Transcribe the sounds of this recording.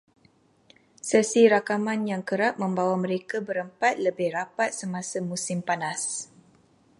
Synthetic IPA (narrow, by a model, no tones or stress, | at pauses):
səsiɾakamãnjaŋkəɾap̚mə̃mbawamə̃ɾekabəɾəmpat̪̚ləbɪhrapat̪̚səmãsamusɪmpanas